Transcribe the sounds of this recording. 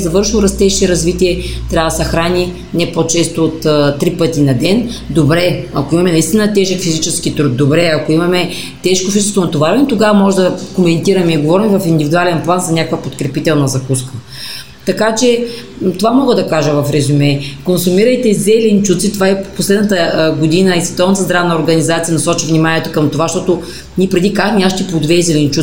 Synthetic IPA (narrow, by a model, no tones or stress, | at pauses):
zɐvɤɾʃilˠɾɐst̪ɛʃiɾɐzvit̪iɛt̪ɾʲavɐd̪ɐsɐxɾani | nɛpot͡ʃɛst̪oːt̪t̪ːɾipət̪inɐd̪ɛnd̪obɾɛɐkoimɐmɛnɐist̪inət̪ɛʒɛkfizit͡ʃɛsk̟it̪ɾud̪̚d̪ːobɾɛɐkoimɐmɛ | t̪ɛʃkofizɛsvonɐt̪ovaɾɛnt̪oɡavɐmɔʒɛd̪ɐkomɛnt̪iɾɐmɛiɡovɔɾimɛvɐfind̪ivid̪ualɛnplˠanzɐnʲakəkvɐpot̪kɾɛpit̪ɛlˠnɐzɐkuskə | t̪ɐkat͡ʃɛ | t̪ovamɔɡəd̪ɐkaʒəvɐfɾɛzumɛkonsumiɾəjt̪ɛzɛlɛnt͡ʃut̪sit̪ovaɛposlɛd̪nət̪əɡod̪inəisvɛt̪ɔlˠnət̪əzd̪ɾavnəoɾɡɐnizat̪sijɐnɐsɔt͡ʃivnimanʲiɛt̪o̥kɐmt̪ovaʃt̪ɔt̪o | nʲiɛpɾɛd̪ikaxmʲiaʃt̪ɛpod̪vɛzɛlɛnt͡ʃu